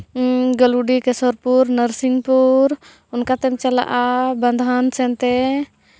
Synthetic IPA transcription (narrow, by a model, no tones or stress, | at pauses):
ɡəluɖikɛsɔɾpuɾnəɾsiŋpuɾ | unkat̪ɛmt͡ʃala̰ʔaband̪ʱansɛnt̪ɛ